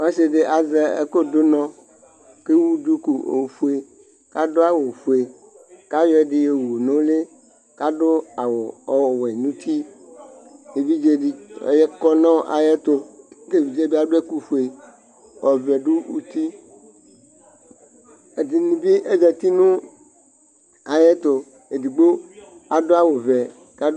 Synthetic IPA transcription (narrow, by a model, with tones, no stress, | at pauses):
wa˦se˨ɖe˨ʔa˨zɛ˨ḛ˦ko˦d̪o˦nɔ̃˦ | ke˦wu˦d̪u˦ku˨o̰˨fu˨˦e˨ | ka˦do˦a˨wo˨ɸu˨e˨ | ka˦jɔ˦ɛ˨ɖe˨je˨wu˨nõ˦le˦ | ka˦ɖo˦a˨wo˨ɔ˨we˨nũ˦t̪i˦ | je˨vi˦d͡ʒe˦ɖi˦ḛ˨˦je˦kɔ˦nɔ̃˦ʔa̰˨jɛ˦t̪o˨e˦˨vi˨d͡ʒe˦bi˦a˨ɖo˦e˦ku˦ɸu˨e˨ | wɔ˨vɛ˨ɖu˦wṵ˦t̪i˦ | e˨di˨nĩ˨bi˦ʔe˦d͡ʒɛ˨t̪i˦nũ˦ | a˨je˦t̪o˨ | e˨di˨ɡ͡bo˦ | a˨do˦a˦wo˨vɛ˨ | ka˦